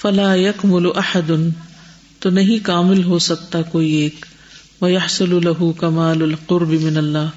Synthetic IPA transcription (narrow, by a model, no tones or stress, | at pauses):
fɐlaːjɐkmʊlʊʔɐħad̪ʊn | t̪oːnɐɦĩkaːmɪlɦosɐk̚t̪akoːieːk | ʋɐjɐħsʊlʊlɐɦʊkɐmaːlɐlqʊɾbɪmɪnɐlːaːɦ